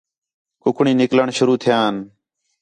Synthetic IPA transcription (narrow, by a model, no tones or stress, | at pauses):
kʊkʰɳĩːnɪkləɳʃʊɾuːt̪ʰɪjãːn